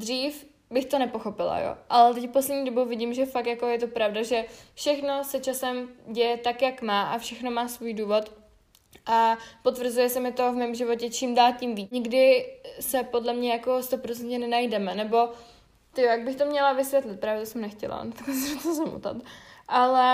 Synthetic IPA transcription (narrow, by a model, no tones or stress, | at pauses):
d̪riːf | bɪxt̪o̞nɛpo̞xo̞pɪla̰jo̰ʔalɛt̪ɛcfposlɛdɲiːdo̞bowvɪɟimʒɛfakt̪jako̞jɛt̪o̞pɾavdaʒɛfʃɛxno̞sɛt͡ʃasɛmɟɛjɛt̪akjakmaːʔafʃɛxno̞maːsvuːjduːvo̞t̪ | ʔapo̞t̪vr̩zujɛsɛmɪt̪o̞vmɛmʒɪvo̞cɛt͡ʃɪmdaːlcɪmviːɲɪɡdɪsɛpo̞dlɛmɲɛjako̞st̪opɾot͡sɛnt̪ɲɛnɛnajdɛmɛnɛbo̞ | t̪ɪjojaɡ̚bɪxt̪o̞mɲɛlavɪsvʲjɛt̪lɪt̪̚pɾaːvɛt̪osɛmnɛxcɛ̰la̰t̪aklɛsɛmt̪ozamṵt̪a̰t̪ʔalɛ